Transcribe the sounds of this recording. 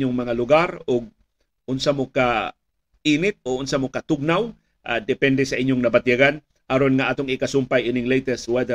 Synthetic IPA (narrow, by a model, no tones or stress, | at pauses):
joŋmɐŋalʊɡaɾoɡ̚ | ʔʊnsamoka | ʔiːnɪt̪̚oʔʊnsamokɐt̪ʊɡ̚naw | ʔa̰d̪ɛpɛnd̪ɛsɐʔɪɲjoŋnɐbɐt̪jaɡan | ʔɐɾo̞nŋɐʔat̪oŋɪkɐsʊmpajʔɪnɪŋlɛjt̪ɛst̪wɛd̪ɛ